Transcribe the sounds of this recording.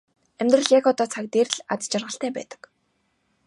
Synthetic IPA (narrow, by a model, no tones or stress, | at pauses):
æmʲt̪rə̆ɮjakɔt̪ɔːt͡sʰak̚t̪erɮat͡st͡ɕarʁə̆ɬt̪æːpæ̰ːt̪ə̥̆k